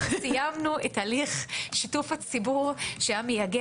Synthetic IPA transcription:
sijamnuetaliχʃitufat͡sibuʁʃeamejaɡe

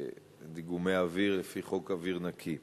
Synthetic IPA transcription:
diɡumeaviʁlefiχo̞kaviʁnakʰi

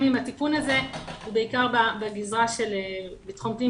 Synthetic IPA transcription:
mimat̪ikunaze̞hube̞ikaʁbabeɡizʁaʃelebitχomti

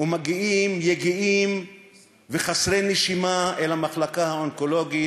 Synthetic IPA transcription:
umaɡiʔimjeɡiʔim | veχasʁejneʃimaelhamaχlakahaonko̞lo̞ɡi

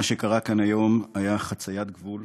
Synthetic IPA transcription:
aʃe̞kaʁakanajo̞majaχat͡sajat̪̚ɡvul

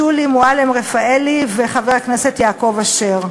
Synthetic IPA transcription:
ulimualemʁefaeliveχaveʁaknese̞tjaːko̞vaʃeʁ

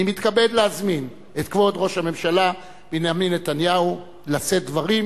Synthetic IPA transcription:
imit̪kabe̞d̪leazmin | et̪kvo̞d̪ʁo̞ʃhame̞mʃala | b̥enaminːet̪anjau | lase̞t̪̚d̪vaʁim

